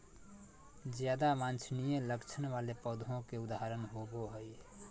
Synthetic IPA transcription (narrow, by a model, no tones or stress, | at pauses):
d͡ʒjaːd̪amãːnt͡ʃʰnijẽləkt͡ʃʰənʋaːlepəd̪ʱõkeʊd̪aɦɾənɦoɡoɦəi